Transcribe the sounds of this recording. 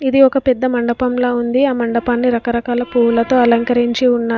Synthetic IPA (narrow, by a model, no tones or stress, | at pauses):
id̪iɔkɐpɛd̪ːɐmɐɳɖɐpɐmloːund̪iaːmɐɳɖɐpaːnːiɾɐkɐɾɐkaːlɐpuːlɐt̪o̞ːɐlɐŋkɐɾiɲt͡ʃiunːaː